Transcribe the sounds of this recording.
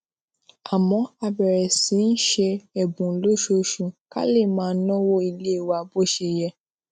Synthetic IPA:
a˨mɔ̃˨˦a˧bɛ˨ɾɛ˨si˨˦n̩˦ʃe˧ɛ˨bũ˨lo˦ʃo˧ʃũ˧ka̰˦le˦˨mãː˦˧˦nɔ̃˦wo˦i˧le˦˨wa˧˨bo˦ʃe˧jɛ˧

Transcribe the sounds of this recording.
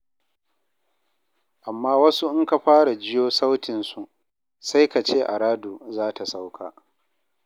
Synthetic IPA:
ʔa˨mːaː˦wɐ˦su˦ʔɪ˦ŋka˨ɸaː˦ɽa˨d͡ʒɪ˦joː˦sa˦wtʰɪ˨nsu˨ʔ | sa˦jka˨t͡ʃeː˦ʔa̰˨ɽaː˦duː˨zaː˦ta˨sa˦wkʰa̰ː˨

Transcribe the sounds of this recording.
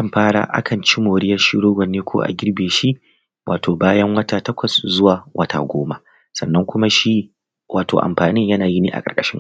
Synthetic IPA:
kɐ˦˨mɸaː˦ɽa̰ː˨ʔa̰˦kʰɐ˨nt͡ʃi˦moː˨ɽɪ˦jɐ˦ʃi˦ɽoː˦ɡʷɐ˨nːeː˦kʷʰo̰ː˦ʔa̰˨ɡʲɪ˦ɾbeː˨ʃi˦ʔ | wʔa̰ː˨tʰoː˨baː˦jɐ˦ŋwɐ˦taː˨tɐ˦kʷʰɐ˨szʊ˦waː˨wʔɐ˦tʰa̰ː˨ɡʷo̰ː˦ma̰˦ | sɐ̰˨nːɐ˦ŋkʷʊ˦ma˦ʃi˦ | wʔaː˨to̰ː˨ʔa̰˨mɸaː˨nɪ˦ɲjɐ˦naː˨ji˦niː˦˨ʔa̰˨kʼɐ̰˨kʼɐ̥˦ʃɪ˦ŋ

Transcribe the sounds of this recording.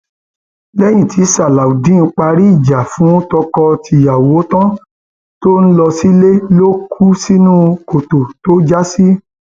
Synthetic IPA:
lɛ˦j̃ĩ˦˨tʰi˨˦sa˦˨la˨u˨dĩ˨˦n̩˧˦k͡pa˧ɾi˦i˦˨d͡ʒa˨fũ˨˦tɔ˧kɔ˧tʰi˧˨ja˨wo˨˦tɔ̃˦ | to˦n̩˦lɔ˧si˦le˦lo˦kʰu˦si˦nũ˦ko˨to˨to˦d͡ʒa˦si˦

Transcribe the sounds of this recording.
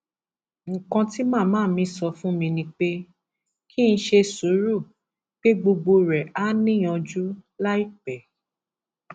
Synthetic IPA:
ŋ̩˨kã˧ti˦mãː˦˨mãː˦˨˦mĩ˧˦sɔ˧fũ˦mĩ˧nĩ˧k͡pe˦ | kʰi˦n̩˧˦ʃe˧su˨˦ɾu˦˨ | k͡pe˦ɡ͡bo˧ɡ͡bo˧ɾɛ˨a˦nĩ˦j̃ɔ̃˧d͡ʒu˦la˦i˦k͡pɛ˨

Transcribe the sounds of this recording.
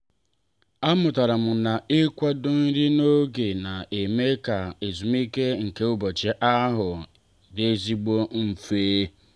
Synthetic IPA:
a˦mʊ˨ta˨ɾa˨m̩˨na˨ɪ˦kʷa˦dʊ˦n̩˦ɾɪ˦no˦ɡe˨na˨e˨me˦ka˨e˨zu˨m˦i˦ke˦ŋ̩˨ke˦ʊ˦bo˨t͡ʃe˦ʔa˦ɦʊ˨ | de˨e˦zi˦ɡ͡bo˦m̩˨fe˦

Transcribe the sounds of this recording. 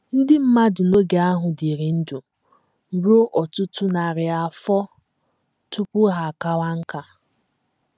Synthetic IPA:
n̩˦dɪ˦m̩˦ma˦dʊ˨no˦ɡe˨a˦ɦʊ˨di˨ɾi˨n̩˦du˨ | m̩˨ɾo˦ʔɔ˨tʊ˦tʊ˦na˨ɾɪ˨a˨fɔ˦ | tu˦pʊ˦ɦa˨ka˦wa˦ŋ̩˦ka˨

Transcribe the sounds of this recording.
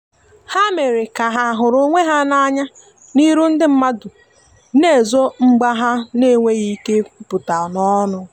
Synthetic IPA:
ha˦me˨ɾi˨ka˨ɦa˨ɦʊ˨ɾʊ˦ŋʷe˦ɦa˦na˦ɲa˦ | ni˦ɾu˦n̩˦dɪ˦m̩˦ma˦dʊ˨ | ne˦˨zo˦ŋ͡m̩˦ɡ͡ba˦ɦa˦ne˦˨ŋʷe˦ɣi˦ke˦pʊ˨ta˨nɔ˦nʊ˦

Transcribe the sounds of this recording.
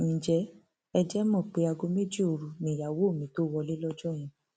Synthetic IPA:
nĩ˨d͡ʒɛ˨˦ | ɛ˧d͡ʒɛ˦mɔ̃˦˨k͡pe˨˧˦a˧ɡo˧˦me˦d͡ʒi˦o˧ɾu˧nĩ˨ja˨wo˨˦˨mĩ˨˦to˦wɔ˧li˦lɔ˦d͡ʒɔ˦˨j̃ɛ̃˧

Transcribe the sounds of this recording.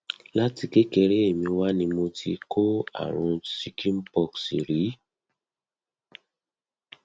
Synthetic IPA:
la˦ti˧ke˦ke˧ɾe˦e˦˨mĩ˧wa˦nĩ˧mo˧tʰi˧kʰo˦a̰˨ɾ̃ũ˧si˦kʰĩ˦m̩˦pɔ˧˨ksḭ˨ɾi˨˦

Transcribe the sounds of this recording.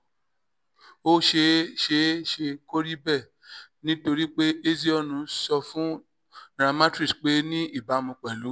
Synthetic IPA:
o˦ʃe˧ʃe˧ʃe˧ko˦ɾi˦bɛ˦˨ | nĩ˦to˧ɾi˦k͡pe˦ʔe˦zi˦ɔ˦˨nũ˧sɔ˧fũ˦ | ɾã˧mã˦tɾi˦˨sk͡pe˦nĩ˦i˦˨ba˨˦mũ˧k͡pɛ˨lu˨˦

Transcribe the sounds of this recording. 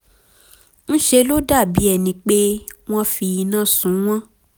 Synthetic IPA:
n̩˦ʃe˧lo˦da˦˨bi˨˦ɛ˦˨nĩ˧k͡pe˦w̃ɔ̃˦fi˧i˧nãː˦˨sũ˨˦w̃ɔ̃˦

